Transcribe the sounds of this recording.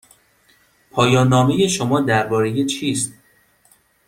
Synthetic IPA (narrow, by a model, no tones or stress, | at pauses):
pʰɒːjɒːnːɒːmejeʃo̞mɒːd̪æɾbɒːɾe̞jet͡ʃʰiːst̪̚